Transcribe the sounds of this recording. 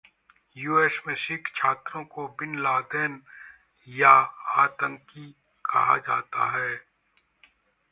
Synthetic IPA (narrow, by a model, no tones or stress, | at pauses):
juːeːsmẽʃɪkt͡ʃʰaːt̪ɾõkobɪnlaːd̪ɛːn | jaaːt̪ə̃ŋki | kʰɐɦa̰d͡ʒa̰ːt̪a̰ɦɛː